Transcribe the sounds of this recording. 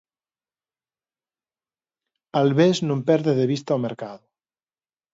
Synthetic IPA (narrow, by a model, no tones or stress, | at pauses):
alβeznõmpɛɾðeðeβ̞ist̪aomeɾkaðʊ